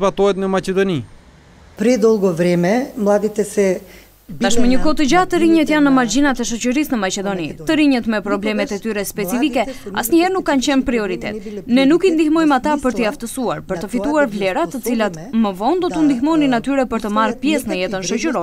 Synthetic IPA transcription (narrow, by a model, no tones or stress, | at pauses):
vat̪ɔɛt̪nəmacɛd̪ɔni | pɾɛd̪ɔlˠɡɔvɾɛmɛmlˠad̪it̪ɛsɛ | t̪aʃməɲəkɔt̪əd͡ʑat̪əɾiɲət̪janːəmaɾd͡ʑinat̪ɛʃɔt͡ɕəɾisnəmat͡ɕɛd̪ɔnit̪əɾiɲət̪mɛpɾɔblɛmɛt̪ɛt̪yɾɛspɛt͡sifikɛa̰sɲəhɛɾnukːant͡ɕɛnpɾiɔɾit̪ɛ̰t̪nɛnukind̪ihmɔjmat̪apəɾt̪əjaft̪əsuaɾpəɾt̪əfit̪uaɾvlɛɾat̪ət͡silat̪məvɔnd̪ɔt̪und̪ixmɔjninat̪yɾɛpəɾt̪əmarpjɛsnəjɛt̪ənʃɔt͡ɕəɾɔ